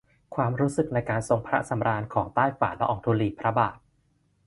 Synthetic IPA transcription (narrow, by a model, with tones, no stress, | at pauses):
kʰwaː˧mɾuː˦˥sɯ˨˩k̚na˧jkaː˧nso˧ŋpʰɾa˦˥sa˩˦mɾaː˧nkʰɔː˩˦ŋt̪aː˥˩jfaː˩˦nlɛ˦˥ʔɔː˧˩ŋt̪ʰuː˧liː˨˩pʰɾa˦˥baː˨˩t̪̚